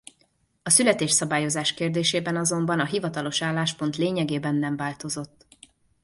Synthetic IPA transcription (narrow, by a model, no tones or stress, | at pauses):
ɒsylɛt̪eːʃsɒbaːjo̞zaːʃkeːrd̪eːʃeːbɛnɒzo̞mbɒnɒɦivɒt̪ɒlo̞ʃaːlːaːʃpo̞nt̪leːɲɛɡeːbɛnːɛɱvaːlt̪o̞zo̞t̪ː